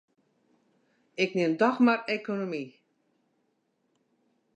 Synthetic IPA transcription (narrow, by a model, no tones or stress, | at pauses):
ɪknɪndɔxmarekonomi